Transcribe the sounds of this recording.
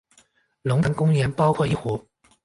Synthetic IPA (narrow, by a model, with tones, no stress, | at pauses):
lʊ˧˥ŋt̪ə˧˥ŋkʊ˥ŋjɛ˧˥npɑ˥ʊkʰwɔ˥˧i˥˩xu˧˥